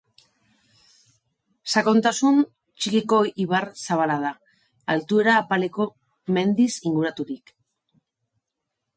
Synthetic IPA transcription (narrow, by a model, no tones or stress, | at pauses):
sako̞nt̪asun | t͡ʃikiko̞iβ̞aɾsaβ̞alað̞aː | lt̪ue̞ɾaːpale̞ko̞ | me̞nd̪isiŋɡuɾat̪uɾik